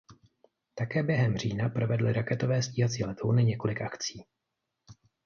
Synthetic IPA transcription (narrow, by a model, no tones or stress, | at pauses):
t̪akɛːbjɛɦɛmr̝iːnapɾo̞vɛdlɪɾakɛt̪o̞vɛːsciːɦat͡siːlɛt̪ownɪɲɛko̞lɪkʔakt͡siː